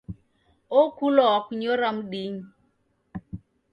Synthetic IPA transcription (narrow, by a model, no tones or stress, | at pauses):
okʰulɔwakuɲoɾam̩ɗiɲi